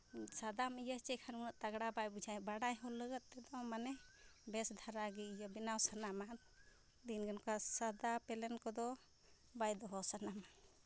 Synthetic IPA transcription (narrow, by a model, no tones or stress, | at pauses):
sad̪amijət͡ʃɛkʰanmunəʔt̪aɡɽabajbud͡ʒʱajbaɽajɦɔləɡət̪̚t̪ɛd̪ɔmanɛbɛsd̪ʱaɾaɡɛijəbinawsanama | d̪inɡənkasad̪apɛlɛnkɔd̪ɔ | bajd̪ɔɦɔsanama